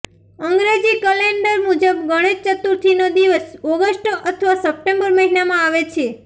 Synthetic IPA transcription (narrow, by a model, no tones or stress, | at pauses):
əŋɡɾed͡ʒikəleɳɖəɾmud͡ʒəbɡəɽ̃ed͡ʒt͡ʃət̪ːuɾt̪ʰinod̪iʋəsɔɡəʃʈʔət̪ʰəʋasəp̚ʈẽmbəɾməɦinamãaʋet͡ʃʰe